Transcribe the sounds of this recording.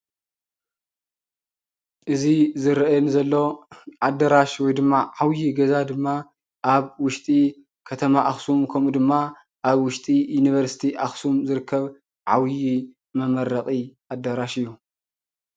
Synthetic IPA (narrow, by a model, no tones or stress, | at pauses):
ʔɨzizɨɾɐʔjnzɐlːo̞ʕad̪ɐɾaʃwɔjd̪ɨmːaʕawjiɡɐzad̪ɨmːa | ʔaβwʊʃt̪ʼi | kʰɐt̪ʰɐmaʔaxsumkʰɐmud̪ɨmːa | ʔaβwʊʃt̪ʼijuniβɐɾsi̥t̪ʰiʔaxsumzɨɾɨkʰːɐβ | ʕa̰wji | mɐmɐɾɐχʼiʔad̪ːɐɾaʃɨjːu